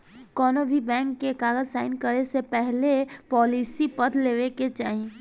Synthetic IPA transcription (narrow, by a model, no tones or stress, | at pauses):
kɔːnobʱibɛ̃ːŋkːekaːɡəd͡ʒsaːɪnkəɾesepɛɦlepɔːlisipɐd̪leːʋeket͡ʃaːɦĩ